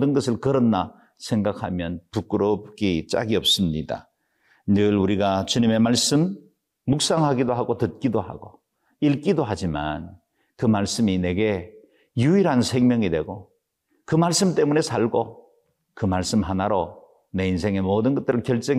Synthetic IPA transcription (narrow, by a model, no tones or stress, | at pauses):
dɯnɡʌsʰɯɭkɯɾʌnːa | sʰe̞ŋɡak̚ʰhamjʌnpuk͈ɯɾop̚k͈it͡ɕ͈a̰ɡiʌp̚s͈ɯmɲida̰ | nɯɭuɾiɡat͡ɕuɲime̞maɭs͈ɯmː | uk̚s͈aŋɦaɡidoɦaɡotɯt̚k͈idoha̰ɡo | iɭk͈idoɦad͡ʑima̰n | kɯmaɭs͈ɯmine̞ɡe̞ | juiɾɦansʰe̞ŋmjʌŋidwe̞ɡo | kɯmaɭs͈ɯmt͈e̞mune̞sʰaɭɡo | kɯmaɭs͈ɯmɦanaɾo | ne̞ins̬ʰe̞ŋe̞moːdɯnɡʌt͈ɯɾɯɭkjʌɭt͡ɕ͈ʌŋ